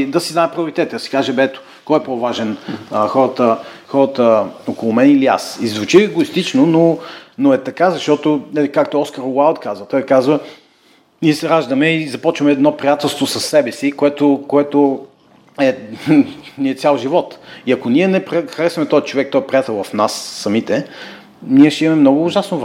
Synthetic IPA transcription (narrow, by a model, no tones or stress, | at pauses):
d̪ɐsiznaɛpɾiʊɾit̪ɛt̪əd̪ɐsi̥kaʒɛbɛt̪ʊ̥ | kɔjɛpɾovaʒɛnəxɔɾɐt̪ə | xɔɾət̪əokolˠʊmɛnilia̰sizvut͡ʃiɛɡoist̪it͡ʃnononoɛt̪ɐkazɐʃt̪ɔt̪ʊnɛlikak̚t̪oɔskəɾwalˠt̪kazvət̪ɔjkazvə | niɛsɛɾaʒd̪əmɛizɐpɔt͡ʃvɐmɛːd̪nɔpɾijat̪ɛlˠst̪vosɐsːɛbɛsikoɛt̪ʊkoɛt̪ʊ | ɛ | niɛtsʲjalˠʒivɔt̪iɐkoniɛnɛpɾxɐɾɛsvɐmɛt̪ɔɛt͡ʃovɛk̚t̪ɔjɛpɾijat̪ɛlˠvɐfnasːɐmit̪ɛ | niɛʃt̪ɛimɐmɛmnɔɡʊːʒasnovɾ